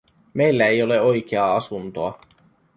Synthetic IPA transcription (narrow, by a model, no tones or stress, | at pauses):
me̞jlːæejo̞le̞o̞jk̟eɑɑsunt̪o̞ɑ